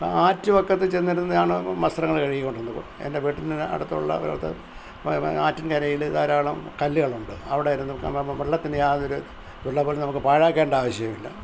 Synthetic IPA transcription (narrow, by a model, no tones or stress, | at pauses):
aːtːuʋɐkːɐt̪ːɨt͡ɕenːiɾunːɐaːɳɨmɐst̪rɐŋːɐɭkɐɻijikːo̞ɳɖenːuko̰ḛndeʋiʈːinɨɐ̰ɽut̪ːṵɭːɐ̰ɾa̰ːɭɐt̪ːe | aːtːinkɐɾɐjiliðaːɾaːɭɐmkɐlːiɣɐɭuɳɖɨɐʋiɽejɐɾunːumeɭːɐt̪ːinɨjaːðo̞ɾu | uɭːɐpoːlenɐmukːɨpaːɻaːkːeːɳɖaːʋɐɕjɐjɐʋilːɐ̰